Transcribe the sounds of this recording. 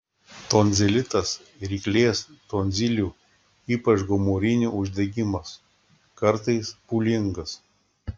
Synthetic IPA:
t̪oːnʲzʲɪlʲɪt̪ɐs | ɾʲiːklʲeːst̪oːnʲzʲɪlʲuː | iːpɐt͡ʃɡɔmoːɾʲɪnʲuːʊʒʲd̪ʲɛɡʲɪmɐs | kɐɾt̪ɐɪspulʲɪŋɡɐs

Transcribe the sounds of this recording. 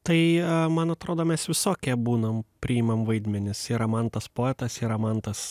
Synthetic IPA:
t̪ɐɪmɐnɐt̪ɾoːd̪oːmʲɛsʋʲɪsoːkʲɛbuːnɐmpʲɾʲɪɪmɐmʋɐɪd̪ʲmʲɛnʲɪsɪɾɐmɐnt̪ɐspoːɛt̪ɐsɪɾɐmɐnt̪ɐs

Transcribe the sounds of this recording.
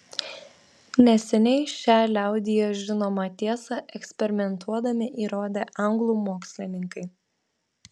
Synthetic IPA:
nʲɛsʲɛnʲɛɪʃʲæːlʲæˑʊd̪ʲɪjoːʒʲɪnoːmɐt̪ʲiɛsɐʔɛksʲpʲɛɾʲɪmʲɛnt̪ʰuɔd̪ɐmʲɪʔiːɾoːd̪ʲeːʔɐŋɡlˠuːmoːksʲlʲɪnʲɪŋkɐɪ

